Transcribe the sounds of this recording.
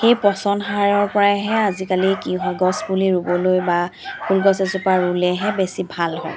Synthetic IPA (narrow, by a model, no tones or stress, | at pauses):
xejpɔsɔnɦaɹɔɹpɔɹaɦɛazikalikiɦɔjɡɔsbuliɹubɔlojbapʰulɡɔs̬ɛzʊpaɹulɛɦɛbesibʱalɦɔj